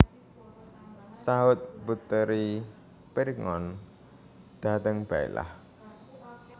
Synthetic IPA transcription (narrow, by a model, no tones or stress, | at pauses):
saɦʊt̪̚bṳt̪əɾi | piɾŋɔ̰n | d̪̥a̤t̪əŋb̥aḭla̰h